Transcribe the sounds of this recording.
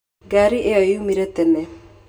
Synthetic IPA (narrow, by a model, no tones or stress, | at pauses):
ɡaɾiʔeɔjumiɾet̪ɛne